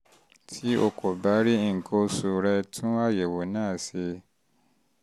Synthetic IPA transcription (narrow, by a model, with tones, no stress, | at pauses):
tʰi˦o˧ko˨ba˨˦ɾi˦i˦ŋ̩˨kʰo˧su˨˧ɾɛ˧tʰũ˦a˦˨je˨wo˨nãː˦˨se˧